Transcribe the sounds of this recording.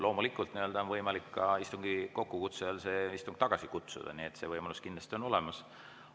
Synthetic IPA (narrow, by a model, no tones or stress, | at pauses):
lʔo̞ːmulikːˑult̪niø̞ld̪̥ɑonvɤjmɑlikːɑist̪uŋɡ̥iko̞kːukut̪selse̞ːist̪uŋɡ̥̚t̪ɑɡ̥ɑsikut̪sṵd̪̥ɑ̰niet̪se̞vɤjmɑluskind̪lɑst̪ʲiono̞le̞mɑs